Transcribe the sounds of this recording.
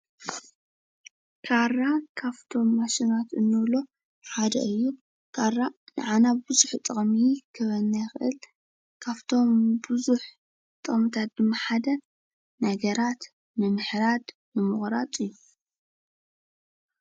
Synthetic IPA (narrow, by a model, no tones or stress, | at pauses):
kʰarːakʰaβt̪ʰo̞mːaʃinat̪ɨnːɨβlo̞ | ħad̪ɐ̰ʔɨjːu | kʰarːanɨ̰ʕanabbɨzuħt̪ʼɨχʼmikʰɨβɐnːajxɨʔɨl | kʰaβt̪ʰo̞mbɨzuħ | t̪ʼɨχʼmit̪ʰat̪̚d̪ɨmːaħad̪ɐ | nɐɡɐɾat̪ | nɨmɨħɾad̪ | nɨmɨχʼɾat̪ʼɨjːu